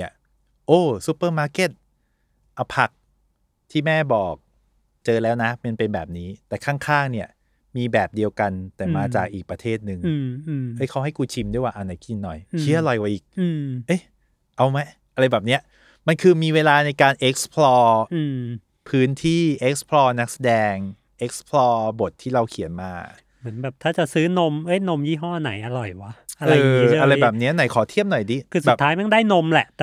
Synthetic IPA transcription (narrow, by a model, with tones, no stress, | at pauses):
ɐ˩ | ʔoː˧˩su˦˥pːɤː˥˩maː˧˥ke˧˩t̪̚ | ʔa˧pʰa˨˩k̚ | t̪ʰiː˥˩mɛː˥˩bɔː˨˩k̚ | t͡ɕɤː˧lɛː˦˥wna˦˥ma˧npe˧nbɛː˨˩p̚niː˦˥t̪ɛː˨˩kʰaː˥˩ŋkʰaː˥˩ŋni˥˩ɐ | miː˧bɛː˨˩p̚di˧əwka˧nt̪ɛː˨˩maː˧t͡ɕaː˨˩k̚ʔiː˨˩k̚pɾa˧t̪ʰeː˥˩t̪̚nɯ˨˧ŋ˧ʔɤ˦˥˩jkʰa˦˥wɦa˥˩jkuː˧t͡ɕʰi˧mdu˥˩jwaː˥˧ʔa˧na˧˩jki˧nːɔ˨˩jt͡ɕʰi˦˥˦ʔa˧lɔ˨˩jwa˨˦ʔiː˨˩k̚ʔɤ˦˥˩ | ʔa˧wma˦˥j | ʔa˧ɾa˧jbɛː˨˩p̚ni˦˥ɐʔ | ma˧nkʰɯː˧miː˧weː˧laː˧na˧jkaː˧nʔe˦˥k̚spʰlɔː˧ʔɯ˧m | pʰɯː˦˥nt̪ʰiː˥˩ʔe˦˥k̚spʰlɔː˧na˦˥k̚sa˧dɛː˧ŋ | ʔe˦˥k̚spʰlɔː˧bo˨˩t̪ʰːiː˥˩ɾa˧wkʰi˨˩˦nma̰ː˧ | mmɯ˩˦ənbɛː˨˩p̚t̪ʰaː˥˩t͡ɕa˨˩ʔsɯː˦˥no˧mʔɤ˦˥jno˧mjiː˥˩ɦɔː˥˩˧na̰˩˦jʔa˧ɾɔ˨˩jwa˦˥ʔa˧ʔɤaː˧˨˦a˧ɾa˧jbɛː˨˩p̚ni˦˥ɐ˧na˩˦jkʰɔː˨˩˦t̪ʰi˥˩əmnɔ˨˩jdiː˦˥kʰɯː˧˩bɛː˨˩pt̪ʰːaː˦˥jma˥˩ndaː˥˩jno˧mlɛ˨˩ʔt̪ɛ˨˩